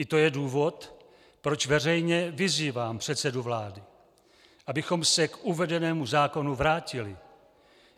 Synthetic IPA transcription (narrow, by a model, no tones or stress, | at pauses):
ʔɪt̪o̞jɛduːvo̞t̪ | pɾo̞t͡ʃvɛr̝ɛjɲɛvɪziːvaːmpr̝̥ɛt̪sɛduvlaːdɪ | ʔabɪxo̞msɛkʔuvɛdɛnɛːmuzaːko̞nuvɾaːcɪlɪ